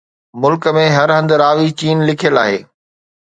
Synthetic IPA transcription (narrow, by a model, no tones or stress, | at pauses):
mʊlkə̆mẽɦɐɾɦə̃nd̪ɾaːʋit͡ɕiːnlɪkʰijəlaːɦeː